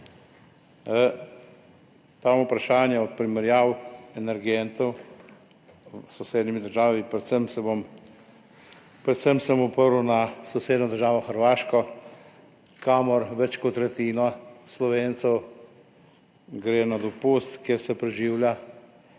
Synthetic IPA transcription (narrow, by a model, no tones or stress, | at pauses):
t̪amupɾaʃaːnjɛɔt̪̚pɾimɛɾjaːwɛnɛɾɡent̪ɔw | sɔwseːd̪nimid̪əɾʒaːʋipɾɛsəmsɛbom | pɾɛt̪səmsəmɔpəɾuwnasɔwseːd̪nɔd̪əɾʒaːʋɔxəɾʋaːʃkɔ | kamɔɾʋɛt͡ʃkɔt̪ːɾɛt̪iːnɔslɔʋeːnt̪sɛw | ɡɾeːnad̪ɔpust̪kjeɾsɛpɾɛʒiːwlja